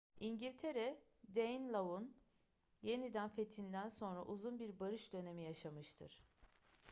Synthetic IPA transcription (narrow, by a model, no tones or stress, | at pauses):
iɲɟilʲt̪ʰe̞ɾɛ | d̪ejnlˠaun | je̞nid̪ænfe̞t̪ʰind̪ænso̞nɾaʔuzunbiɾbaɾɯʃd̪ø̞ne̞mijaʃamɯʃt̪ʰɯ̰ɾ̥